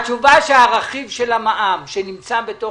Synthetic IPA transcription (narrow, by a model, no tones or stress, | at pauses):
t͡ʃuvaʃeaʁaχivʃelamaʔamʃenimt͡sabeto